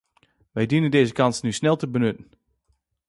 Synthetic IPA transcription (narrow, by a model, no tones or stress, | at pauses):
ʋɛjdinəndeːzəkɑnsnysnɛlˠtəbənøtn̩